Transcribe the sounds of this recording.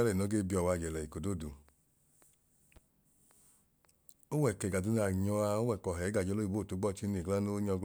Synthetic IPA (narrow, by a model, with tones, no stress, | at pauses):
a˦lɛ˦˨no˨˦ɡe˦bi˧ɔ˨wa˧˨d͡ʒɛ˨lɛ˨i˨ko˨do˦˨du˨ | o˦wɛ˨kɛ˨ɡa˨du˨˧n˦a˨ɲɔ˧a˧o˦wɛ˦˨kɔ˨ɦɛ˨˦a˨d͡ʒɔ˧lo˦i˨bo˦˨to˨˦ɡ͡bɔ˦˨t͡ʃi˦ne˨ɡla˦no˦ɲɔ˧ɡ